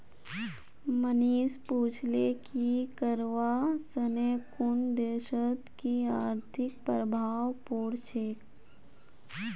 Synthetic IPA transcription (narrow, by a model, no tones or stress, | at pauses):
məniːspuːt͡ʃʰlekikəɾʋasəneːkʊnd̪eːʃət̪kiaːɾt̪ʰɪk̚pɾəbʱaːwpoːɽt͡ʃeːk